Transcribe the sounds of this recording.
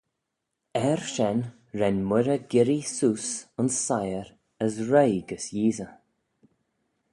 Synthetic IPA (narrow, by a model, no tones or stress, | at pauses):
ɛɹʃɛn | ɹɛnmɪɾəɡɪɾisuːsənsːajəɾ | əsɹejɡəsjiːzə